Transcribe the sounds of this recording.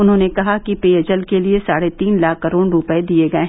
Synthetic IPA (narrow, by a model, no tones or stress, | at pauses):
ʊnɦõːnekɐɦakipeːɐd͡ʒəlkeliesaːɽet̪iːnlaːkːɐɾoːɽɾʊpəed̪ieɡɐeɦ